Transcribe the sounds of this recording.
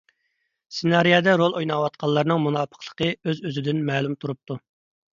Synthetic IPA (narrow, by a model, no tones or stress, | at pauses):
senɑɾijɑd̪ɛɾolˠojnɑwɑt̪̚qʰɑlˠːɑɾnɨŋmunɑːpʰə̥qlˠə̥qʰəøzøzɪd̪ɪnmɛːlˠumt̪ʰuɾup̚t̪ʰu